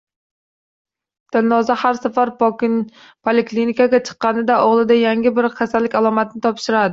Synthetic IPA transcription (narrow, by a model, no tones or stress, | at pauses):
d̪̥ɪlnɒzahaɾsafaɾ | pʰolɪklinikaɡʲat͡ʃʰɨ̥qːɑnɪd̪aoʁlˠɪd̪ajaŋʲɪbɪɾqʰasalːɪkʲalˠɒmat̪ʰɪnɪt̪ʰɒpʃɪɾad̪ɪ